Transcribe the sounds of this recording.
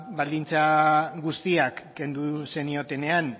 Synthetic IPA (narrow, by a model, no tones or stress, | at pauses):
bald̪int͡saɡust̪iakːe̞nd̪use̞nio̞t̪e̞ne̞an